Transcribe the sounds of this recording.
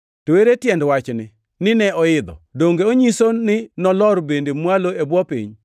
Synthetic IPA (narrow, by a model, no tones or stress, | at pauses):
toweɾetjɛndwat͡ʃnɪ | nɪnɛɔɪd̪ɔ̰doŋɡeoɲisonɪnɔlɔɾbendemwaloebwɔpḭɲ